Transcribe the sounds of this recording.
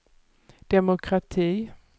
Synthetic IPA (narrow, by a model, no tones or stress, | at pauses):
d̪̥ɛmʊkʰɾat̪ʰiː